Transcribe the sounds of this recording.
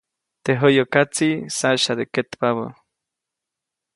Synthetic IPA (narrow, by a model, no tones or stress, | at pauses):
t̪eɦojokat͡sisaʃad̪eket̪paβo̰